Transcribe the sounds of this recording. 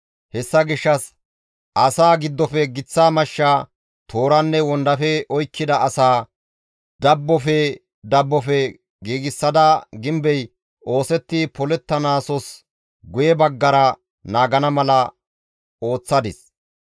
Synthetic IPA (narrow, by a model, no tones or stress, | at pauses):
hɛsːɐɡɪʃːɐs | ʔɐsaːɡɪd̪ːɔfɛɡɪt͡sːaːmɐʃːaː | t̪ʰo̞ːɾɐnːɛwɔnd̪ɐfɛɔjkːɪd̪ɐʔɐsaː | d̪̥ɐbːɔfɛ | d̪ɐbːɔfɛ | ɡiːɡɪsːɐd̪ɐɡɪmbɛj | o̞ːsɛt̪ːipɔlɛt̪ːɐnaːsɔs | ɡʊjɛbɐɡːɐɾɐ | naːɡɐnɐmɐlɐ | o̞ːt͡sːɐd̪ɪs